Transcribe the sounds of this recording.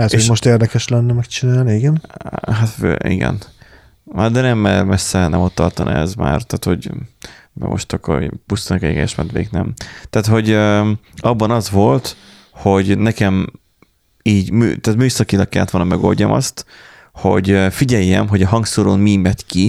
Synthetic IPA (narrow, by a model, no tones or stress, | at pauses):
at̪eoʃmo̞ʃt̪eːrd̪ɛkɛʃlɛnːɛmɛkt͡ʃinaːlniiɡɛnɦat̪fø̰ḭɡɛ̰n | ad̪ɛnɛmːɛmɛsːɛnɛmo̞t̪ːɒrt̪ɒn̰ɛ̰zma̰ːrt̪aːt̪ho̞̰ɟ | bɛ̰mo̞̰ʃt̪ɒkːo̰pust̪ɒnɒkɛɟɡɛ̰ʃmɛ̰t̪ʋḛːknɛmt̪aːt̪ho̞ɟøɒbːɒnɒzʋo̞lt̪ | ho̞ɟnɛkɛm | iːɟmy̰ːt̪aːt̪myːsɒkinlɒkːɛlːɛt̪ʋonɒmɛɡo̞̰lɟɒmʔɒ̰st̪ | ho̞̰ɟøfiɟɛjːɛmɦo̞ɟɒɦɒŋksoɾoːnmimɛt̪ki